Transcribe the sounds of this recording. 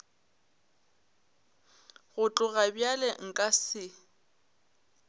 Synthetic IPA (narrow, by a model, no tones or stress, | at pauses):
ɣʊt͡ɬʼʊɣabjalɛŋ̩kʼasɪ